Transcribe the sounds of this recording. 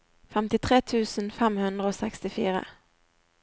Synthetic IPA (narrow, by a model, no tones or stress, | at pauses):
fɛmt̪ɪt̪ʰɾeːt̪ʰʉ̟ːsənfɛmhɵnd̪ɾaɔsɛkst̪ɪfiːɾa̰